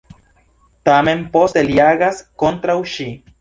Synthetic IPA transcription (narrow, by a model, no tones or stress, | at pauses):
t̪amenposeljaɣaskont̪ɾawʃi